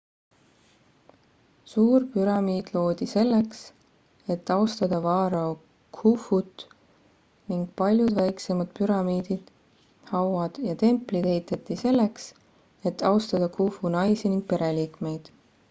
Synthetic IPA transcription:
suːrpyɾɑmiːd̪̥lo̞ːd̪̥ʲise̞lːeks | e̞t̪ːɑost̪ɑd̪̥ɑvɑːɾɑ | kʰufut̪ˑ | niŋɡ̥̚pɑlʲjud̪̥væjksemɑd̪̥pyɾɑmiːd̪̥id̪̥ | hɑwɑd̪̥jɑt̪e̞mplid̪̥ejt̪ˑet̪ːise̞lːeks | e̞t̪ːˑɑwst̪ɑd̪̥ɑkʰufunɑjsiniŋɡ̥̚pe̞ɾe̞liːkme̞jd̪̥

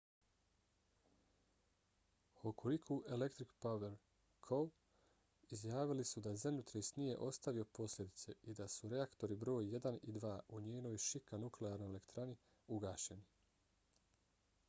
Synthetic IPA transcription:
okʰolikʰoʔele̞kt̪ɾikpaʋeɾ | kʰo | izjaːʋilisud̪azamnʲut̪ɾesnije̞̰ʔo̞st̪aʋio̞po̞slʲe̞d̪it̪se̞ʔid̪asuɾe̞akt̪o̞ɾibɾo̞ːjːe̞d̪anid̪ʋaːʔuɲeːno̞ːjʃikanukleaːɾnojele̞kt̪ɾani | uɡaːʃe̞ni

